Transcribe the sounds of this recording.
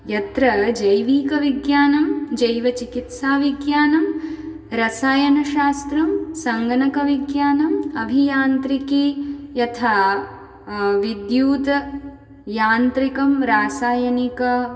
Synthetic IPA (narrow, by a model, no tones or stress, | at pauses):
jɐt̪ɾɐd͡ʒɐjʋiːkɐʋiɡjaːnɐmd͡ʒɐjʋɐt͡ʃikit̪saːʋiɡjaːnɐm | ɾɐsaːjɐnɐʃaːst̪ɾɐmsɐŋɡɐnɐkɐʋiɡjaːnɐmɐbʱijaːnt̪ɾikiːjɐt̪ʰaː | ʋid̪juːd̪ɐ | jaːnt̪ɾikɐmɾaːsaːjɐnikɐ